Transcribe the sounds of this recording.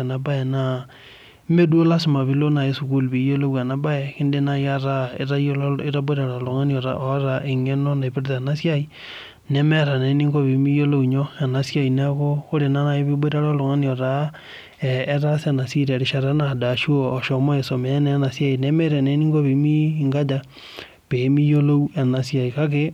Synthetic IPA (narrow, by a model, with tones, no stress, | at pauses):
na˨ba˦e˨na˦ | me˦dwo˦la˦si˨ma˨βi˦lo˦na˨e˦su˨ku˦lβi˨jo˦lo˦βwa˨na˨ba˦e˨ki˦nde˦na˦ja˦ɾa˦ḛ˦ɾa˦o˦le˦ɾa˦bwe˦ɾa˨ɾa˨lo˨ŋa˦nio˨ɾa̰ʔo˨˦ɾa˨ʔe˨ŋe˦no˦na˨e˨βe˦ɾta˨a˨na˦sja˦i˦ | ne˦me˦ɾa˨ne˨ni˦ŋɡo˦βi˨mi˦jo˦lo˦u˨ɲo˦a˨na˨sja˦i˨na˦ɣo˦o˦ɾe˨na˦na˨e˦βi˦bwe˦ɾa˦ɾa˦lo˨ŋa˦nio˨ɾa˦ | ɾasena˨si˦ɾe˨ɾe˨ʃa˨ɾa˦na˨da˨ʃu˦oː˨ʃo˨mɔ˦e˨so˨mɛ˨a˦nɛna˨sja˦i˨nɛ˦me˦ɾa˨ne˨˦ni˦ŋɡo˦βe˨mi˦ŋɡa˦d͡ʒa˦ | β̥e˨˦mi˦jo˦lo˦u˦e˨na˨sja˨i˨ka˦ke˦